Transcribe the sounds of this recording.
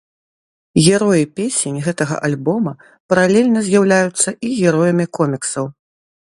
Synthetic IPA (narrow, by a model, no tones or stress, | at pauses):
ɣʲɛɾɔjipʲesʲenʲɣɛt̪ɐɣɐ̰ʔalʲbɔmɐ | pɐɾalʲɛlʲnɐzʲjawlʲajut̪sːɐʔiɣʲɛɾɔjɐmʲikɔmʲiksɐw